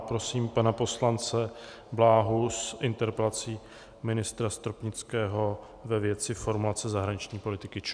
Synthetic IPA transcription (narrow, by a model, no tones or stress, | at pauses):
pɾo̞siːmpanapo̞slant͡sɛ | blaːɦusʔɪnt̪ɛɾpɛlat͡siː | mɪnɪst̪ɾast̪ɾopɲɪt͡skɛːɦo̞ | vɛvjɛt͡sɪfo̞ɾmulat͡sɛzaɦɾaɲɪt͡ʃɲiːpo̞lɪt̪ɪkɪt͡ʃ